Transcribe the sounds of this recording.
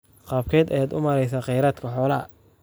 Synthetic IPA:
qɑːb̚kʰɛːd̪ɛjaːd̪ʊmɐɾɛjsaːqɛjɾaːd̪kʰɐħɔːlɐɐ̰

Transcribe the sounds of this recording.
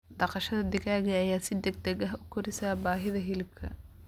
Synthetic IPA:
d̪ɐqɐʃɐðɐd̪ɪɣaːɣɐːjaːsɪd̪ɛɡ̚d̪ɛɡɐɦʊkʰʊɾɪsaːbaːɦɪðɐɦɪlkʰɐ̰

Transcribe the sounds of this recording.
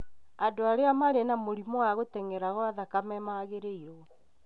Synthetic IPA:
adoaɾeamaɾenamoɾimɔaɣotɛŋɛɾaɣɔaðakamɛmaɣeɾeiɾɔ

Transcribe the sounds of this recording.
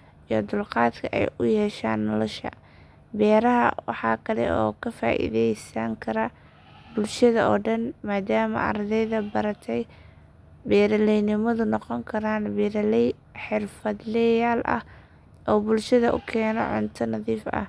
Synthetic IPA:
ijɔd̪ʊlqɑːd̪kʰɐʔɛ̰jʔʊjɛːʃaːnːɔlɔʃɐ̰ | bɛːɾɐɦɐ̰wɑħɑːkʰɐlɛ̰ʔɔ̰ːkʰɐfa̰ːʔḭðɛjsɐŋkʰɐɾɐ | bʊlʃɐðɐɔːɖɐnmaːd̪aːmɐ̰ʔɑ̰rd̪ɛjðɐbɐɾɐt̪ʰɛj | bɛːɾɐlɛjnɪmɐðʊnɔqɔŋkʰɐɾaːnbɾl | ħɪrfɐd̪lɛjaːlʔɐ̰h | ʔɔːbʊlʃɐðɐʔʊkʰɛːnɔ̰ʕʊ̰nt̪ʰɐnɐðiːfɐ̰

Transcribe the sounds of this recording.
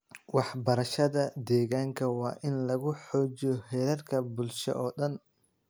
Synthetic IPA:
wɑħbɐɾɐʃɐðɐd̪ɛːɣaːŋkʰɐwɑːʔɪnlɐɣʊħɔːt͡ʃɪjɔhɛːɾɐrkʰɐbʊlʃɔ̰ʔɔːɗɐn

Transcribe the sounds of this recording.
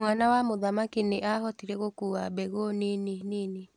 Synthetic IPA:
mwanawamoðamakineʔaɦɔtiɾɛɣokuːabɛɣoneneniːne

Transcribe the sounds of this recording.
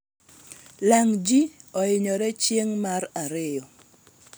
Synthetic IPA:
laŋd͡ʒiɔɪɲɔɾɛt͡ʃjeŋmaraɾɪjɔ

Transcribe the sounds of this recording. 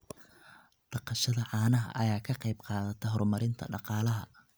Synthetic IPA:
ɖɑqɑʃɐðɐʕɑːnɐɦɐ̰ʔɐjaːkʰɐqɑjbqɑːðɐt̪ʰɐɦɔrmɐɾɪnt̪ʰɐ̰ɖɑqɑːlɐɦɐ̰

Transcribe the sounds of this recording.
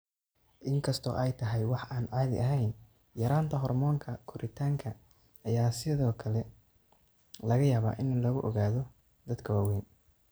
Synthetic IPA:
ʔɪŋkʰɐst̪ʰɔ̰ːʔɛjt̪ʰɐɦɛjwɑħaːnʕɑːðɪ̰ʔɐɦɛjn | jɐɾaːnt̪ʰɐɦɔrmɔːŋkʰɐkʰʊɾʔɪt̪ʰaːŋkʰɐ | ɐjaːsɪðɔːkʰɐlɛ | lɐɣɐjaːβa̰ːʔɪnlɐɣʊʔɔɣaːðɔ | d̪ɐd̪kʰɐwaːwɛːn

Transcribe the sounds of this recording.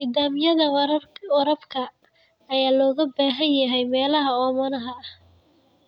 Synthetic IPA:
niːd̪aːmɪjɐðɐwwɐɾɐbkʰɐː | jaːlɔːɣɐbaːɦɐnjɐɦɛjmɛːlɐɦɐɔːmɐnɐɦɐh

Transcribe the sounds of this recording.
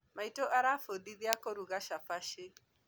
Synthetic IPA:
maitoʔaɾafodiðiakoɾuɣaʃafaʃɪ

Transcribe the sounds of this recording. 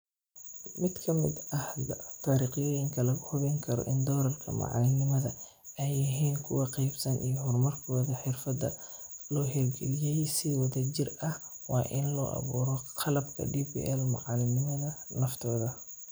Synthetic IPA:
mɪd̪kʰɐmɪ̰d̪ɐhlɐt̪ʰaːɾiːqɪjɔːjɪŋkʰɐlɐɣʊhʊβɛŋkʰɐɾɔ̰ʔɪnd̪ɔːɾɐrkʰɐ̰mɑ̰ʕɑ̰lɪnɪmɐðɐ | ɛjɐɦiːnkʰʊwɑqɛjbsɐnʔijɔɦʊrmɐrkʰɔːðɐħɪrfɐd̪ɐ̰lɔːɦɛlɡɛlɪjɛjsiwɐðɐt͡ʃɪrɐhwɑːʔɪnlɔ̰ːʔɐ̰βuːɾɔqʰɑlɐbkʰɐ̰ɖibḭːʔɛlmɐ̰ʕɑlɪnɪmɐðɐnɐft̪ʰɔːðɐ

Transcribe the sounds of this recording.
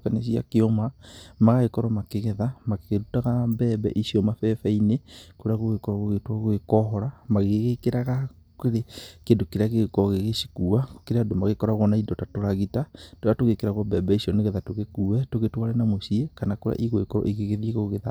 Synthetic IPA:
kanes̬ia̰keɔmamaɣaɣekɔɾɔmakeɣɛðamakeɣeɾutaɣambɛːbɛ̰ʔisiɔmafɛfɛinekoɾeaɣoɣekɔɾaɣoɣetwaɣoɣekɔɦɔɾamaɣeɣekeɾaɣa | keɾekendokeɾeaɣeɣkɔɣeɣesi̥kuao̥keɾeadomaɣekɔɾaɣɔnaidɔtatoɾaɣitatoatoɣekeɾaɣɔmbɛːbɛisiɔneɣeðatoɣekuɛtoɣetwalɛnamosiekanakoɾa̰ʔiɣoekɔɾɔ̰ʔeɣeɣeðieɣoɣeða

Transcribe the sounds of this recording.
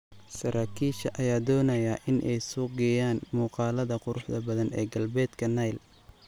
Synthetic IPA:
sɐɾʔaːkʰiːʃɐʔɐjaːd̪ɔːnɐjɐʔɪnʔɛjsʊɡɛjaːnmuːqɑːlɐðɐqʊɾʊħd̪ɐbɐðɐnɛ̰ːɡɐlbɛːd̪kʰɐnɐjl

